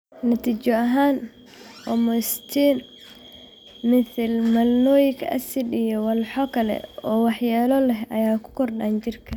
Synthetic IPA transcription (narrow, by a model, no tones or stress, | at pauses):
nɐt̪ʰiːt͡ʃɔɐɦaːn | wɐ̰mɔst̪ʰiːn | mɪθɪlmɐlnɔːjɪkʰɐɐ̰sɪɗɪjɔwɑlħɔkʰɐlɛ̰ɔːwɑħjaːlɔlɛɦʔɐjaːkʰʊ̥kʰɔrɗaːnt͡ʃɪrkʰɐ